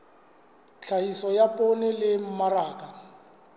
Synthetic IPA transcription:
t͡ɬʰaisɔjapʼɔnɪlɪm̩maraːkʼa

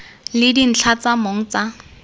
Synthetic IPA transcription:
lɪdin̩t͡ɬʰat͡samoŋ̩t͡sa

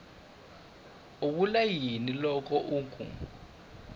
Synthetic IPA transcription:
ukulajinilɔk̬ʼɔʔuːŋkʼṵ

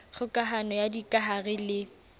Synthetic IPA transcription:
χʊkʼaɦanɔjadikʼaɦaɣɪlɪ

